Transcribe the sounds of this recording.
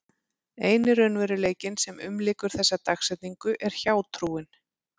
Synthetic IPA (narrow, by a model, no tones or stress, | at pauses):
eːjnɪɾœnvɛɾʏleːjcɪnsɛmʏ̰mlɪːkʏɾ̥θɛsːat̪axsɛt̪niŋkʏʔɛɾ̥çaːwt̪ʰɾuːɪn